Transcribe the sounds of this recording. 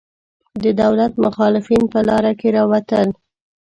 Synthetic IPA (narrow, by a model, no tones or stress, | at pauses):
d̪əd̪awlat̪mʊxɑlɪfinpəlɑɾakeɾɑwat̪əl